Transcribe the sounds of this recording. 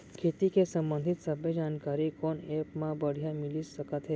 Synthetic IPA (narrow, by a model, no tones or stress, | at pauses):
kʰet̪ikesə̃mbənd̪ʱɪt̪səbʱjəd͡ʒaːnkaɾikonepmãbəɽ̤jamɪlisəkət̪ɦɛ